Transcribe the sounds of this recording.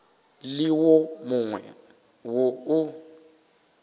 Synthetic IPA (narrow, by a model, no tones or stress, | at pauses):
lɪwomʊŋwɛ̰ | woʊ